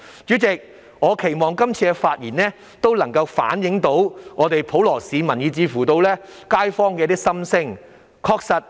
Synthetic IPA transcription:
t͡ʃyː˨˥t͡sɪ˨k̚ | ŋɔː˨˧kʰe˨˩jmɔː˨˩ŋkɐ˥mt͡sʰiː˧kɛ˧faː˧t̚jiː˨˩nɛː˥ | t̪o˥wlɐ˨˩ŋkɐ˧wfa̰ː˨˥njɪ˨˥ŋt̪o˨˥wŋɔː˨˧t̪e˨jpʰo˨˥wlɔː˨˩siː˨˧mɐ˨˩njiː˨˧t͡siː˨˧fuː˨˩t̪o˧wlɛː˥kaː˥jfɔː˥ŋkɛ˧t̪iː˥sɐ˥msɪ˥ŋ | kʰɔː˧k̚sɐ˨t̚

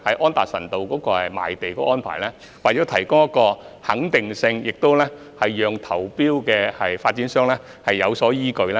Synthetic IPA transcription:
hɐ˨jʔɔː˥nt̪aː˨t̚sɐ̰˨˩nt̪o˨˧wkɔː˨˥kɔː˧hɐ˨jma̰ː˨˩jt̪e˨jkɔː˧˥ɔː˥npʰaː˨˩lɛː˥ | waː˨˩t͡ɕɔː˨˥t̪ʰɐ˨˩jkʊ˥ŋjɐ˥t̚kɔː˧hɐ˨˥ŋt̪ɪ˨ŋsɪ˧ŋjɪ˨k̚t̪o˥wlɛː˥ | hɐ˨jjœː˨ŋt̪ʰɐ˨˩wpiː˥wkɛː˧hɐ˨jfaː˧t̚t͡siː˨˥nsœː˥ŋlɛː˥ | hɐ˨jːɐ˨˧wsɔː˨˥jiː˥kɵ˧ɥlɛ˥

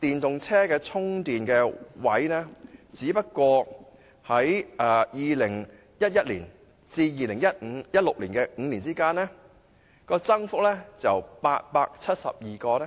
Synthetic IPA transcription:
t̪iː˨nt̪ʊ˨ŋt͡sʰɛː˥kɛː˧t͡sʰʊ˥ŋt̪iː˨˩nkɛː˧wɐ˨˥jnɛː˥t͡siː˨˥pɐ˥t̚kʷɔː˧ | hɐ˨˥jʔɛː˨jiː˨˧lɪ˨˩ŋ | jɐ˥t̚jɐ˥t̚liː˨˩n | t͡siː˧jiː˨˧lɪ˨˩ŋjɐ˥t̩̚˨˧jɐ˥t̚lʊ˨k̚liː˨˩nkɛː˧ŋ̩ː˨˧liː˨˩nt͡siː˥kaː˥nɛː˥ | kɔː˧t͡sɐ˥ŋfʊ˥k̚lɛː˥t͡sɐ˨wpaː˧t̚paː˧k̚t͡sʰɐ˥t̚sɐ̰˨p̚jiː˨˩kɔː˧lɛ˥

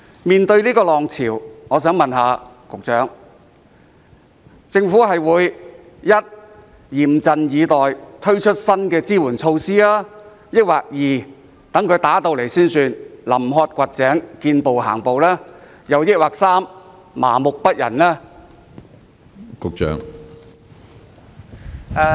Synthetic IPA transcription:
miː˨nt̪ɵ˧ɥliː˥kɔː˧lɔː˨˩ŋt͡sʰiː˨˩wŋɔː˨˧sœː˨˥ŋmɐ˨nɦaː˨˧ | kʊ˨k̚t͡sœː˨˥ŋ | t͡sɪ˧ŋfuː˨˥ɦɐ˨jwuː˨˧j | jɐ˥t̚ | jiː˨˩mt͡sɐ˨njiː˨˧t̪ɔː˨jt̪ʰɵ˥ɥt͡ʃʰɵ˥t̚sɐ˥nkɛː˧t͡siː˥wuː˨˩nt͡sʰo˧wsiː˥laː˥ | jɪ˥k̚waː˨k̚jiː˨˩ | t̪ɐ˨˥ŋkʰɵ˧ɥt̪aː˨˥t̪o˧wle˨˩jsiː˥nsyː˧nlɐ˨˩mɦɔː˧t̚kʷɐ˨t̚t͡sɛː˨˥ŋkiː˧npo˨wɦa̰ː˨˩ŋpo˨wlaː˥ | jɐ˨˧wjɪ˥t̚waː˨k̚saː˥mː | a̰ː˨˩mʊ˨k̚pɐ˥t̚jɐ̰˨˩nlaː˥ | kʊ˨k̚t͡ʃœ̰ː˨˥ŋ | ɛ˧

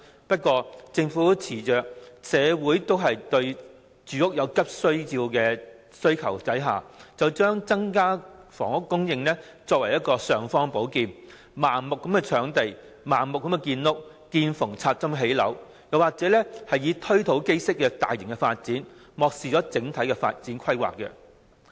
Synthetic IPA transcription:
pɐ˥t̚kʷːɔː˧t͡sɪ˧ŋfuː˨˥t͡sʰiː˨˩t͡ʃœː˨k̚sɛː˨˧wuː˨˥jt̪o˥wɦɐ˨jt̪ɵ˧ɥ | t͡ʃyː˨˥ʊ˥k̚jɐ˨˧wkɐ˥p̚sɵ˥ɥjiː˧wkɛː˧ | sɵ˥ɥkʰɐ˨˩wt͡sɐ˨˥jɦa̰ː˨˩t͡sɐ˨wt͡ʃœː˥ŋt͡sɐ˥ŋkaː˥fɔ̰ː˨˩ŋʊ˥kːʊ˥ŋjɪ˧ŋlɛ˥ | t͡sɔː˧k̚wɐ˨˩jːɐ˥t̚kːɔː˧sœː˨˧ŋfɔː˥ŋpo˨˥wkiː˨˧n | maː˨˩nmʊ˨kːɐ˨˥mkɛ˧t͡ʃʰœː˨˥ŋt̪e˨j | maː˨˩nmʊ˨k̚ːɐ˧˥mkɛ˧kiː˧nlʊ˥k̚ | kiː˧nfʊ˨˩ŋt͡sʰaː˧t̚t͡sɐ˥mɦe˨˥jlɐ̰˨˥w | jɐ˨waː˨k̚t͡sɛː˨˥lɛː˥hɐ˨jiː˨˧t̪ʰɵ˥ɥt̪ʰo˨˧˥wke˥jsɪ˥k̚ːɛː˧t̪aː˨jɪ˨˩ŋkɛ˧faː˧t̚t͡siː˨˥n | mɔː˨k̚siː˨t͡sɔː˨˥t͡sɪ˨˥ŋt̪ʰɐ˨˥jkɛ˧fa̰ː˧t̚t͡siː˨˥nkʰɐ˥jwa̰ː˨kːɛ̰˧

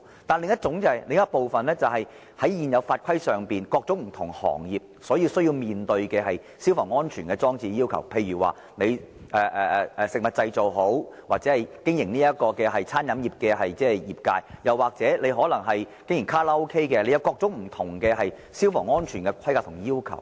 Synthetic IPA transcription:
t̪aː˨nlɪ˨ŋɐ˥t̚t͡sʊ˨˥ŋt͡sɛ˨˩lɪ˨˧ŋjɐ˥t̚po˨wfɐ˨nlɛː˥t͡sɐ˨wɦɐ˨j | hɐ˨˥jjiː˨njɐ˨˧wfaː˧t̚kʷʰɐ˥jsœː˨ŋpiː˨nkɔː˧k̚t͡sʊ˨˥m̩˨˩t̪ʰʊ˨˩ŋhɔ̰ː˨˩ŋjiː˨p̚sɔː˨˥ji˧wsɵ˥ɥji˧wmiː˨nt̪ɵ˧ɥkɛː˧ɦɐ˨j | siː˥wfɔː˨˩ŋɔː˥nt͡ʃʰyː˨˩nkɛː˧t͡sɔː˥ŋt͡siː˧jiː˥wkʰɐ̰˨˩wpʰe˧jɥyː˨˩wa̰ː˨˩ | ne˨˧jʔɛː˨ʔɛː˨˧ɛː˨sɪ˨k̚mɐ˨t̚t͡sɐ˧jt͡so˨wɦo˨˥wwaː˨k̚t͡sɛ˨˥hɐ˨jkɪ˥ŋjɪ˨˩ŋniː˥jɐ˥t̚kɔː˧kɛː˧ɦɐ˨jt͡sʰaː˥njɐ˨˥mjiː˨p̚kɛː˧hɐ˨jt͡sɛː˥ɛ˨jiː˨p̚kaː˧jjɐ˨waː˨k̚t͡sɛː˨˥le˨˧jɦɔː˨˥lɐ˨˩ŋɦɐ˨jkɪ˥ŋjɪ˨˩ŋkʰaː˥laː˦˥o˥wkʰe˥jkɛ˧le˨˧jɐ˨˧wkɔː˧k̚t͡sʊ˨˥ŋ̚m̩˨˩t̪ʰʊ˨˩ŋkɛː˧ɦɐ˨j | siː˥wfɔː˨˩ŋɔː˥nt͡ʃʰyː˨˩nkɛ˧kʰɐ˥jka˧k̚t̪ʰʊ˨˩ŋjiː˥wkʰɐ̰˨˩w

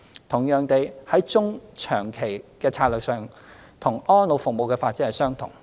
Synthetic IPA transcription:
t̪ʰʊ˨˩ŋjœː˨˩ŋt̪e˨jhɐ˨˥jt͡sʊ˥ŋt͡ʃʰœː˨˩ŋkʰe˨˩jkɛː˧t͡sʰaː˧t̚lœː˨k̚sœː˨ŋ | t̪ʰʊ˨˩ŋɔː˥nlo˨˧wfʊ˨k̚mo˨wkɛː˧faː˧t̚t͡si˥hɐ˨˩jsœː˥ŋt̪ʰʊ̰˨˩ŋ

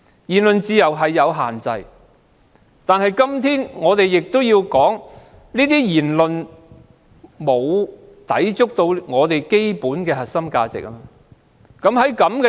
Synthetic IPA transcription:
jiː˨˩nlɵ˨nt͡siː˧jɐ˨˩wɦɐ˨jːɐ˨˧wɦa̰ː˨˩nt͡sɐ̰˧j | t̪aː˨nɦɐ˨jkɐ˥mt̪ʰiː˥nŋɔː˨˧t̪e˨jːɪ˨k̚t̪ʊ˥wjiː˧wkɔː˨˥ŋ | liː˥t̪iː˥jiː˨˩nlɵ˨n | mo˨˧w | t̪ɐ˨˥jt͡ʃʊ˥k̚t̪o˧wŋɔː˨˧t̪e˨jke˥jpuː˨˥nkɛː˧hɐ˨t̚sɐ˥mkaː˧t͡sɪ̰˨k̚ʔɐ˥mː˧ | kɐ˨˥mɦɐ˨˥jkɐ˨˥mkɛ˧

